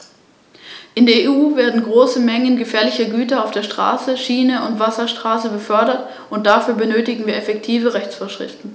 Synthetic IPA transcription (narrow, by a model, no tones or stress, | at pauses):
ʔɪndeːɐeːuːveːɐdn̩ɡʁoːsəmɛŋənɡəfɛːɐlɪçɐɡyːtɐaʊfd̥eːɐʃtʁ̥a̰ːsəʃiːnəʔʊntv̥asɐʃtʁ̥aːsəbəfœɐdɐt | ʊnt̚d̥afyːɐbənøːtɪɡŋ̩viːɐɛfɛktʰiːvəʁɛçt͡sfoːɐʃʁ̥ɪ̰ftn̩